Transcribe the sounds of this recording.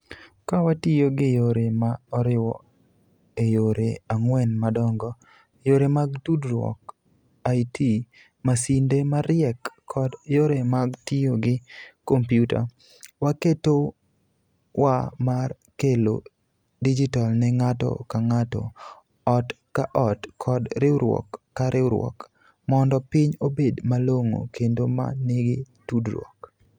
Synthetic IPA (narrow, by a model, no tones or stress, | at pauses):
kawatɪjoɡɪjoɾemaɔɾɪwɔ̰ | ejoɾeaŋwɛnmadɔŋɡɔ | joɾemaɡdudɾwɔ̰k | ajtʰi | masindemaɾɪɛkːʰɔdjoɾemaɡtɪjoɡɪkompjuta̰ | waketo | wamar | kelo̰ | did͡ʒitalnɛŋatɔ̰kaŋatɔ̰ | ɔt | kaʔɔtkʰɔdɾɪwɾwɔ̰kːaɾɪwɾwɔ̰k | mɔndɔpɪɲobedmaloŋo̰kendoma̰nɪɡɪ | tudɾwɔ̰k